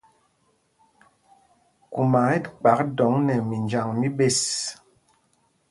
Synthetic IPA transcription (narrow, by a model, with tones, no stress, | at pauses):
ku˨ma˨e˦tk͡pa˨˦k̚dɔ˨˦ŋnɛ˨mi˨nd͡ʒa˨ŋmi˦be˦˨s